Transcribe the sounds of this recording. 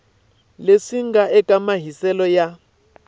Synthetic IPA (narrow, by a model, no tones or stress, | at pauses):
leʂiŋɡaʔɛkʼamaɦisɛlɔja